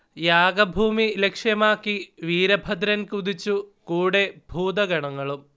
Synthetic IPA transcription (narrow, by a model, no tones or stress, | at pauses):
jaːɡɐbʱuːmilekʂjɐmaːkːiʋiːɾɐbʱɐd̪ɾɐnkuðit͡ɕːukuːɽe̞bʱuːd̪ɐɡɐɳɐŋːɐɭum